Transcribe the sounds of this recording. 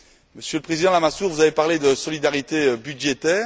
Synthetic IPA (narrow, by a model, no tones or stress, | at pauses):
məsjøləpχezid̪ɑ̃lamasuʁvuzavepaʁled̪əsɔlid̪aʁit̪ebyd̪ʒet̪ɛːʁ